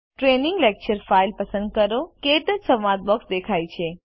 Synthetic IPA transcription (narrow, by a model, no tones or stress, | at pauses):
ʈɾenĩŋɡlek̚t͡ʃəɾfailpəsə̃nd̪̚kəɾoket̪əsəmãd̪̚bɔksd̪ekʰajt͡ʃʰe